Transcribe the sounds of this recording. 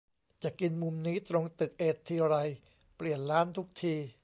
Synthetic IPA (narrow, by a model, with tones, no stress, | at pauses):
t͡ɕa˨˩ki˧nmu˧mniː˦˥t̪ɾo˧ŋt̪ɯ˨˩k̚ʔeː˨˩t̪ʰːiː˧ɾa˧j | pli˨˩ənlaː˦˥nt̪ʰu˦˥k̚t̪ʰiː˧